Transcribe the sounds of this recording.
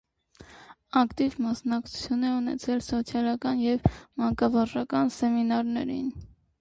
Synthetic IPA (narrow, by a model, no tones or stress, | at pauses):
ɑkt̪ivmɑsnɑkt͡sʰu̥t͡sʰjunɛunɛ̰t͡sʰɛlsɔt͡sʰjɑlɑkɑnjɛvmɑŋkɑvɑʒɑkɑnsɛminɑɾnɛ̰ɾin